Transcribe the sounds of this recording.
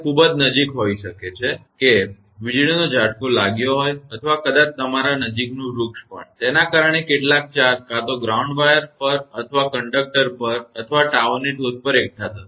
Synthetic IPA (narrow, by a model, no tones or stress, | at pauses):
kʰubəd͡ʒnəd͡ʒikɦoiʃəket͡ʃʰeke | ʋid͡ʒɭinod͡ʒaɽkolaɡjoɦojət̪ʰəʋakəd̪ãt͡ʃt̪əmaɾanəd͡ʒiknũɾukʃpə̰ɳt̪enakaɾəɳ̃ekeʈlak̚t͡ʃaɾkat̪oɡɾauɳɖʋajəɾpəɾət̪ʰəʋakəɳɖək̚ʈəɾpəɾət̪ʰəʋaʈaʋəniʈospəɾek̚ʈʰat̪ʰa